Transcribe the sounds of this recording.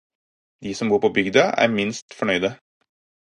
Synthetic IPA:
d̪iːsɔmbuːɾpʰoːbʏɡd̪ɑæ̰ːɾmɪnst̪fɔɳœʏd̪ə

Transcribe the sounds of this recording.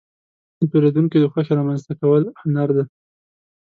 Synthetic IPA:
d̪əpeɾed̪uŋkid̪əxəxɾɑmanzt̪akawəlhʊnaɾd̪a

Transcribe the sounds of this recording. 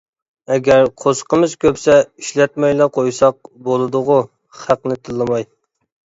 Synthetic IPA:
ɛɡʲæɾqʰosqəmɨzkʲʰøpsɛiʃlɛt̪̚mɛjlˠɑqʰojsɑq̚bolˠɨd̪ʊʁʊ | χæqnɪt̪ʰɨlˠːɨmɑj

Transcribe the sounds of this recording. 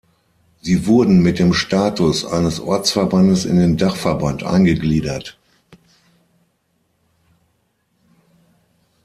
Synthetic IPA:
ziːvʊɐdn̩mɪt̚d̥eːmʃtaːtʊsʔa̰ɪnəsʔɔɐt͡sfɛɐbandəsɪ̰ndeːndaχfɛɐbantʔa̰ɪnɡəɡliːdɐt

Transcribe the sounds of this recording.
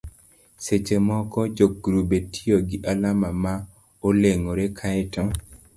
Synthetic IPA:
set͡ʃemɔkɔd͡ʒoɡɾubetʰioɡiʔalamama | oleŋoɾekʰaɛtɔ

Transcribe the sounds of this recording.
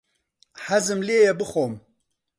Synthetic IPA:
hæzɨmleːjɛbɨxoːm

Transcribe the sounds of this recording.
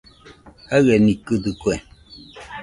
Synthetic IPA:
aɣɛnikɨtɨkwɛ

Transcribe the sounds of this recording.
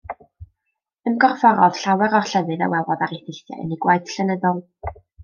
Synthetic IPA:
əmɡɔrfɔɾɔð̥ɬawɛɾɔrɬəðɨða̰wɛlˠɔðaɾeθɪθja̰ə̰niɡwajθɬənəðɔlˠ

